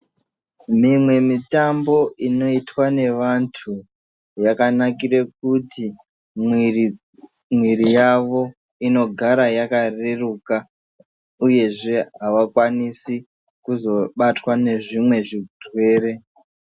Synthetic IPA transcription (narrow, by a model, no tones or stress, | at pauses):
mimwe̞mitambo̞ino̞itwane̞ʋantʰu | jakanakirek̚uti | m | mwiɾijaʋo̞ | ino̞ɡʱaɾajakareruka | uje̞ʐe̞ɦaʋakwanisi | kuzo̞ɓatwane̞ʐimwe̞ʐidʱwe̞ːre̞